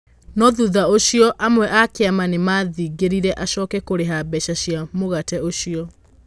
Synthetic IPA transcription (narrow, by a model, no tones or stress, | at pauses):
nɔðuðaoɕiɔʔamwɛʔakeamanemaðiːɡeɾiɾɛʔaʃɔːkɛkoɾeɦabɛʃaɕjamoɣatɛoʃiɔ